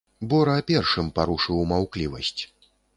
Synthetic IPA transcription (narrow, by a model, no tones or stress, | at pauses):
bɔɾɐːpʲɛrʂɨmpaɾuʂɨwmawklʲivɐsʲt͡sʲ